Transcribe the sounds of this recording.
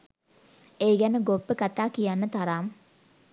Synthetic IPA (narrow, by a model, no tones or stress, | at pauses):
eːɡɛnəɡopːəkat̪aːkijanːət̪aɾaːm